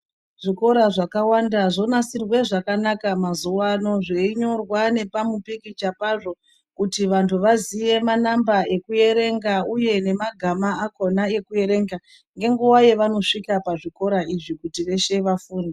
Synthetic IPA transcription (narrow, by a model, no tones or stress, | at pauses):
ʐ̥iko̞ɾaʐakawandaʐo̞nasirwe̞ʐakanakamazuwano̞ʐeiɲo̞rwane̞pamupikit͡ʃapaʐo̞ | kutiʋantʰuʋazije̞manambae̞kuje̞ɾe̞ŋɡauje̞ne̞maɡʱamaːko̞nae̞kuje̞ɾe̞ːŋɡa | ŋɡe̞ŋɡuwaje̞ʋano̞ʂikapaʐiko̞ɾaʔiʐikutiʋe̞ʃe̞ʋafuːne